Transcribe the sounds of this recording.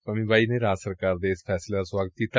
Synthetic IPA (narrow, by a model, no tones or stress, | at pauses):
amĩːbaineɾasəɾkaɾd̪esfʰɛslasʋaɡət̪iːt̪